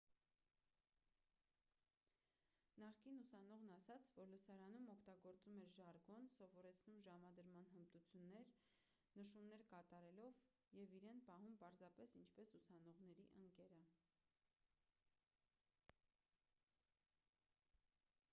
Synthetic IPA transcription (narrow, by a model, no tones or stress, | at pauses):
nɑχkinusɑnɔʁnɑsɑt͡sʰvɔɾləsɑɾɑnumɔkʰt̪ɑɡɔɾt͡sumɛɾʒɑɾɡɔnsɔvɔɾɛt͡sʰnumʒɑmɑd̪əɾmɑnɦəmt̪ut͡sʰjunːɛɾ | nəʃumnɛɾkɑt̪ɑɾɛlɔv | jɛviɾɛnpɑɦumpɑɾzɑpɛsint͡ʃʰpɛsusɑnɔʁn̪ɛɾiʔəŋkɛɾə